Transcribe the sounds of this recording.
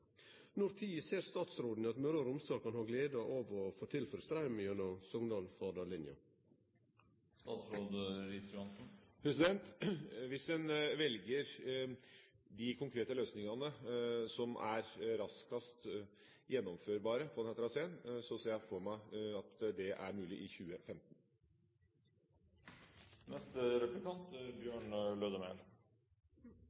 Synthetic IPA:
nʊɾt̪ʰiːəseːɾst̪ɑːt̪sɾoːd̪n̩ɑt̪møɾəɾʊmst̪ɑːkɑnhɑːɡleːd̪əʔoːʋɔfoːt̪ʰɪlføːɾəst̪ɾɑʏmɪœnɑsɔŋd̪ɑːlfɑd̪ɑlɪnjɑ̰ | st̪ɑt̪sɾoːd̪ɾɪsɾɑnsn̩pʰɾɛsɪd̪ɛnt̪ʋɪsdɛnʋɛlɡəɾ | d̪ɪkʰʊŋkʰɾeːt̪əløːsnɪŋɑnəsɔmʔæɾɾɑskɑst̪ | jɛnːɔmføːɾbɑːɾəpʰɔnhɛːt̪əɾɑseːənsɔseːjæfɔɾmæɪɑt̪d̪ɛʔæ̰ɾmʉːlɪʔɪçʉːəfɛmt̪n | nɛst̪ɾɛplɪkɑnt̪bjøːɳløːd̪əmeːl

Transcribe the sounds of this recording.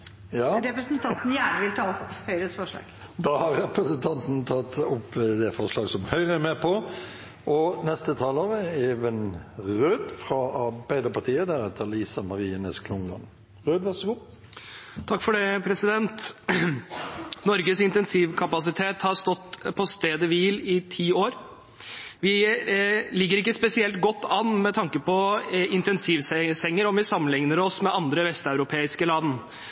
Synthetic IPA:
jɑːɾɛpɾəsnt̪ʰɑnt̪n̩jæːɳəʋɪlt̪ʰɑːhœʏɾəsfɔʂlɑ̰ːɡ̥ | d̪ɑːhɑɾɛpɾəsənt̪ʰɑnt̪n̩t̪ʰɑt̪ːʊpːd̪ɛfɔɾʂlɑːɡsɔmhœʏʁəmɛpʰɔ | ʔɔnɛst̪ət̪ʰɑːloːɾəeːʋənʁøːd̪fɾɑɑɾbæɪd̪əpɑɾt̪ʰiːəd̪æɾɛt̪ʰːəliːsɑmɑɾiːənɛ̰skʰlʊŋlɑ̰n | ʁøːd̪ʋæʁsəɡuː | t̪ʰɑkːfɔɖɛpʰɾɛsɪd̪ɛnt̪ | nɔɾɡəsɪnt̪ɛnsiːʋkʰɑpɑsɪt̪ʰeːt̪hɑɾst̪ɔt̪ːpʰɔst̪eːd̪əʋiːlɪt̪ʰiːoːɾ | ʋɪ | lɪɡːəɾɪkːəspɛsɪɛlt̪ɡɔt̪ːɑnːmɛt̪ʰɑŋkəpʰɔɪnt̪ɛnsiːʋssɛŋːəɾɔmʋɪsɑmːənlɪŋnəɾɔsmɛʔɑnd̪ɾəʋɛst̪ɑʉɾʊpʰeːɪskəlɑːd̪n̩

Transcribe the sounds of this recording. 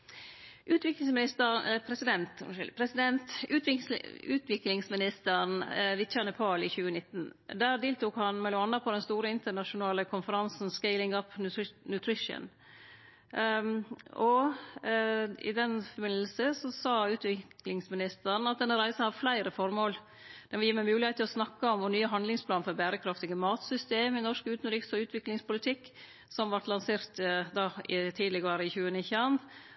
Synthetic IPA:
ʔʉːt̪ʋɪklɪŋsmɪnɪst̪əɛpʰɾɛsɪd̪ɛnt̪pʰɾɛsɪd̪ɛnt̪ʉːt̪ɪʉːt̪ʋɪklɪŋsmɪnɪst̪əɾnʋɪt̪çænəpʰɑːlɪçʉːənɪt̪ːn̩d̪æːɾd̪eːlt̪uːkhɑnmɛlːʊɑnːɑpʰɔd̪ɛnst̪uːɾəɪnt̪əɳɑʂʊnɑːləkʰʊnfəɾɑnsn̩skɛɪlɪŋɑp̪nʉt̪ʰɾɪʂə̰n | ɔ | ɪ̰d̪ɛnfɔɾbɪnəl̩səsɔsɑːʉːt̪ʰʋɪklɪŋsmɪnɪst̪əɾn̩ɑt̪̚d̪ɛnːəɾæɪsəhɑɾflæɪɾəfɔɾmoːl | d̪̥ɛʋɪljiːmɛmʉːlɪɛɪt̪ʰːɪlɔsnɑkːəɔmʋʊɳyːəɦɑnd̪lɪŋspʰlɑːnfɔɾbæːɾəkʰɾɑft̪ɪɡəmɑːt̪sʏst̪eːmɪnɔʂkʉːt̪nɾɪksɔʉːt̪ʰʋɪklɪŋspʊlɪt̪ʰɪkː | sɔmʋɑʈlɑnseːɾt̪d̪ɑːɪt̪ʰiːd̪əlɪɡɑːɾəɪçʉːənɪçəɑn

